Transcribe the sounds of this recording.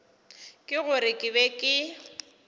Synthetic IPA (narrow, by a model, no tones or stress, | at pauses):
kʼɪɣʊɾɪkʼɪbɛkʼɪ